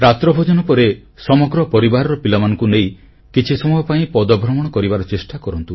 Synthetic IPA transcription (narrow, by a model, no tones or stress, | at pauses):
ɾat̪ɾɔbʱɔd͡ʒɔnɔpɔɾe | sɔmɔɡɾɔpɔɾibaɾɔɾɔpilamanɔŋkunej | kit͡ʃʰisɔmɔjɔpaĩpɔd̪ɔbʱɾɔmɔɽ̃ɔkɔɾibaɾɔt͡ʃesʈakɔɾɔnt̪u